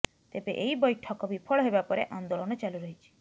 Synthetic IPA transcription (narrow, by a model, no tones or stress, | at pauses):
t̪ebeʔeɦibɔjʈʰɔkɔbipʰɔɭɔɦebapɔɾeʔand̪oɭɔnɔt͡ʃaluɾɔɦit͡ʃʰi̥